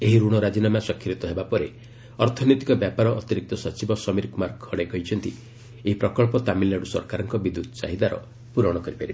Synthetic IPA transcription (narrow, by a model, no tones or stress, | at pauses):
eɦiɾuɽ̃ɔɾad͡ʒinamasɔkʰːiɾit̪ɔɦebapɔɾe | ɔɾt̪ʰɔnɔt̪ikɔbjapaɾɔʔːt̪iɾik̚t̪ɔsɔt͡ʃibɔsɔmiɾkumaɾkʰɔɽeɡɔjt͡ʃʰɔnt̪ḭ | eɦipɾɔkɔɭpɔt̪amilːaɽusɔ̰ɾkaɾɔŋkɔbid̪ut̪ɔsa̰ɦid̪aɾɔ̰ | puɾɔɽ̃ɔkɔɾipaɾibe